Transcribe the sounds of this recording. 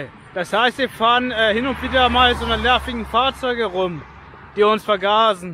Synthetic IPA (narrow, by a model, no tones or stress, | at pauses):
d̥ashaɪstviːɐfaːʁənɛːhɪnʊntv̥iːdɐmaːlzoːnəlɛɐfɪɡŋ̩faːɐt͡sɔʏɡəʁʊm | d̥iːʊnsfɛɐɡaːzn̩